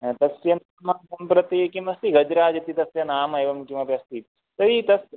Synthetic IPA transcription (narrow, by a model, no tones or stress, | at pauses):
t̪ɐsjɐnaːmɐsɐmpɾɐt̪ekimɐst̪iɡɐd͡ʒɾaːd͡ʒɐt̪it̪ɐsʋjɐnaːmɐeːʋɐmkimɐpjɐst̪i | t̪ɐʋit̪ɐs